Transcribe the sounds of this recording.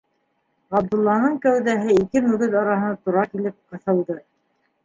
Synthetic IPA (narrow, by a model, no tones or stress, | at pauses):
ɑb̚d̪ŭlˠːɑnɤɴkæwðæɦɘikɘmɵ̆ɡɘðɑɾɑɦɤ̆nɑt̪uɾɑkilɘp̚qɤ̆θɤ̆lˠd̪ɤ